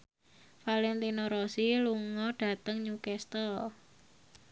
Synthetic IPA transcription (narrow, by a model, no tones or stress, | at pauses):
falɛnt̪inɔɾɔsiluŋɔɖ̥ä̤t̪əŋɲukɛst̪ɔl